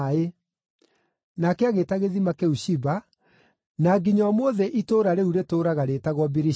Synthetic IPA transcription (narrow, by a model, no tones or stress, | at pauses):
e | nakeaɣetaɣeðimakeuɕiba | naɡiɲaɔmoːðɛʔitoːɾaɾeuɾetoːɾaɣaɾeːtaɣwɔbiɾi